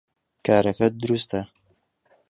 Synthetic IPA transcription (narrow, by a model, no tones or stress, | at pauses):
kʰaːɾɐkɐd̪ʊɾust̪ɐ